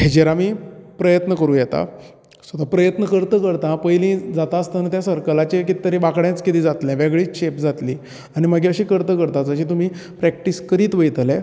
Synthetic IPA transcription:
ɦed͡ʑeɾamiːpɾəjət̪nəkəɾũːjɛt̪a̰ | sʋət̪apɾəjət̪nəkəɾt̪əkəɾt̪ãpəjlĩd͡zat̪aəst̪ənət̪jasəɾkəlat͡ɕekit̪i̥t̪əɾibakɽjãt͡skit̪iːd͡zat̪lɛ̃ʋeɡɭiːɕepd͡zat̪liː | añiməɡiəɕiːkəɾt̪əkəɾt̪ad͡zəɕ̬iːt̪̬um̤iːpɾɛk̚ʈiːskəɾiːt̪ʋəjt̪lɛ̃

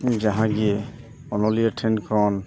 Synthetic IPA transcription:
d͡ʒaɦãɡi | ɔnɔliaʈʰenkʰɾɔn

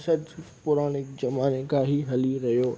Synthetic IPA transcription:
sɐd̪ | pʊɾaːñɪkzɐmaːnekaɦiɦɐliɾɐɦijoː

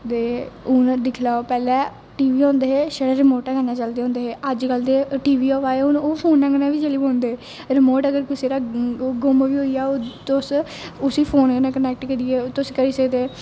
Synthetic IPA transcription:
t̪eːʊnd̪ɪkʰlaːopɛːlɛː | ʈiːʋiːɔ̃ːnd̪eːɦeːʃəɽɛːɾɪmoːʈɛ̃ːkənãːt͡ʃəld̪eːõːnd̪eːɦeːʔəd͡ʒɡəld̪eːʈiːʋiːoːʋaːeʊnoːpʰoːnːɛ̃ːɡnãːʋiːd͡ʒəliːbõːnd̪eː | ɾɪmoːʈəɡəɾkɪseːɾaːɡʊmʋiːɦoːiːaːoːt̪ʊs | ʊsiːpʰoːnkənãːkənɛːk̚ʈkəɾiːɛːt̪ʊskəɾiseːt̪eː

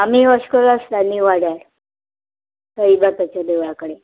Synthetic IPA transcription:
amiːəɕkəɾast̪aniʋaɽaɾ | t̪əibat̪at͡ɕjad̪eʋɭakəɽe

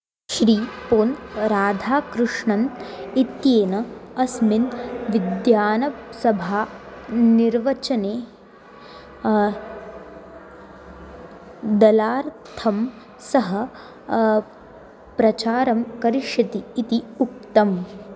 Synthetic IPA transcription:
ʃɾiːpoːnɾaːd̪ʱaːkɾuʂɳɐnit̪jeːnɐɐsminʋid̪jaːnɐsɐbʱaːniɾʋɐt͡ʃɐneː | d̪ɐlaːɾt̪ʰɐm | sɐɦɐ | pɾɐt͡ʃaːɾɐmkɐɾiʃjɐt̪iːt̪iuk̚t̪ɐm

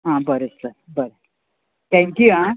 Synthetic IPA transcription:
ɦãbəɾet͡slə | bəɾe | t̪ʰɛ̃ŋkjuɦã

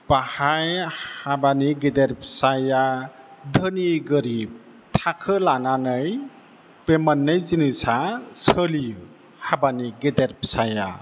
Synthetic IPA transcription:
bahajhabaniɡedeɾpʰsajadʱəniɡəɾib̚ | tʰakʰɯlananɯj | b̥emanːɯjzinisasəli | habaniɡedeɾpʰsaja̰

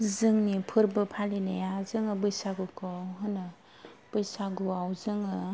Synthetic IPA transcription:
zɯŋnipʰɯɾbɯpʰalinejazɯŋɯbɯjsaɡukʰɔɦɯnɯ | b̥ɯjsaɡuawzɯŋɯ

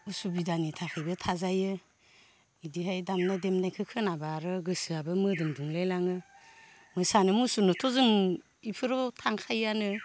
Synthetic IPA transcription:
usubidanitʰakʰajbɯtʰazajɯ | idiɦajdamnademnajkʰɯkʰɯnabaɾɯɡɯsɯabɯmɯdɯŋduŋlajlaŋɯ | mɯsanɯmusunɯtʰɔzɯŋ | ipʰɯɾɔtʰaŋkʰajanɯ

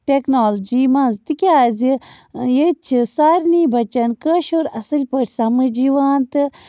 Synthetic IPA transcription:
ʈeknoːld͡ʒiːmɐ̃nzt̪ɨkʲaːzi | jet̪̚t͡ʃʰisaːɾʲniːbɐt͡ʃɐnkəʃoːɾɐsɨlʲpəʈʰʲsɐmɨd͡ʒiʋaːnt̪ɨ

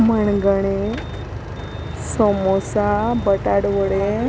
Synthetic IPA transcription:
məɳɡəɽ̃e | sɔmosabəʈaɽʋəɽe

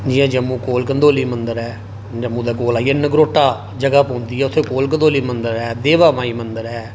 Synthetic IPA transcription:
d͡ʒiɛ̃ːd͡ʒəmːũːkoːlkənd̪oːliːmənd̪əɾɛː | d͡ʒəmːũːd̪aːkoːlaːienəɡɾoːʈaː | d͡ʒəɡaːpɔ̃ːnd̪iːɛːʊt̪ʰːeːkoːlk̬ənd̪oːliːmənd̪əɾɛːd̪eːʋaːmaːiːmənd̪əɾɦɛː

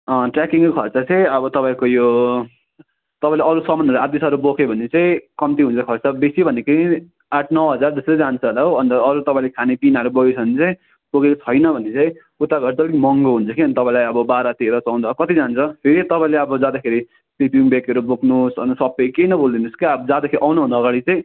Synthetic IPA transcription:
ʌʈrakiŋkokʰʌrt͡sʌt͡sãĩʌβʌt̪ʌpaĩkojo | t̪ʌpãĩleʌɾusʌmʌnʌɾuat̪isʌɾubokʰebʱʌnet͡saĩkʌmt̪iɦunt͡sʰʌkʰʌrt͡sʌbesibʱʌnekeĩ | aʈʰnʌwɦʌd͡zard̪esɾʌd͡zant͡sʰʌʌlaɦoʌnt̪ʌʌɾut̪ʌpãĩlekʰanepinʌɾubʌɡet͡sʰʌnt͡saĩ | boɡet͡sʰʌjnʌbʱʌnet͡sãĩ | ut̪aɡʱʌɾt̪ʌlikmʌŋɡoɦunt͡sʰʌkiʌnit̪ʌpãĩlajʌbʌbaɾʌt̪eɾʌt͡sawnd̪ʌkʌt̪id͡zant͡sʰʌpʰeɾit̪ʌpãĩleʌbʌd͡zad̪akʰeɾi | pipiŋbekʌɾuboknusʌ̰nsʌpekejnʌbold̪inuskiʌbʌd͡zad̪akʰeɾiʔawnubʱʌnd̪aːɡaɽit͡saĩ

